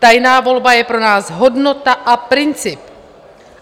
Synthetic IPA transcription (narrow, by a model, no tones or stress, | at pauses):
t̪ajnaːvo̞lbajɛpɾo̞naːsɦo̞dno̞t̪aʔapɾɪnt͡sɪp